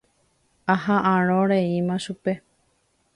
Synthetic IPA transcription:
aɦãʔãɾ̃õɾeimãʃupe̞

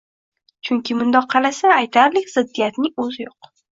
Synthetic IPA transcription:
t͡ʃʰʊŋkʲʰɪmʊnd̪ɒqʰːɑlasaːjt̪ʰaɾlɪkʲz̥ɪd̪ːijat̪nɪŋɵzɪjoq

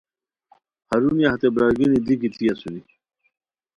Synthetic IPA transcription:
hɐɾuniaht̪ebɾaːɡinid̪ikit̪ijasuni

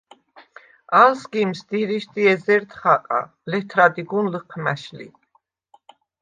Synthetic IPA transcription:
alsɡimsd̪iɾiʃd̪iɛzɛɾt̪ʰχaqʼa̰ | lɛt̪ʰɾad̪iɡunləqʰmæʃlḭ

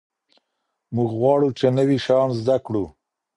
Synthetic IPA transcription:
muɡɣwɑɽut͡ʃenəwiʃɑnzd̪akɽu

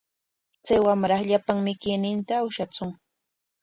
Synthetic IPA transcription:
t͡sajwamɾɑχʎapaŋmɪkɪjnɪnt̪aːwʃat͡sʊŋ

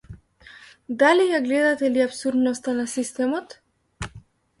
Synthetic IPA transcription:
d̪alijaɡlɛd̪at̪ɛliapsuɾd̪nɔst̪anasist̪ɛmɔt̪

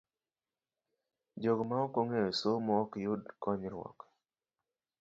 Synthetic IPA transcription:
d͡ʒoɡmaokoŋejosomɔːkjʊdkɔɲɾwɔ̰k

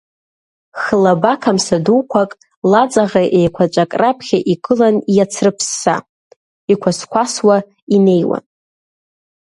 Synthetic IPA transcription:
χəlabakʰamsaduwkʷʰakʼ | lat͡sʼaʁaʔejkʷʰat͡ʃʷʼakʼrapʰχʲaʔikʼɨlanjat͡sʰrɨpʰsːa̰ | ikʷʰaskʷaswa | ine̞jwa̰n

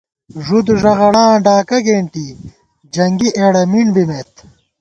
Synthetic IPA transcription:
ʐud̪uʐɐɣɐɽãːɖaːkɐɡeːɳʈi | d͡ʑɐŋɡiʔeːɽɐmiɳbimet̪

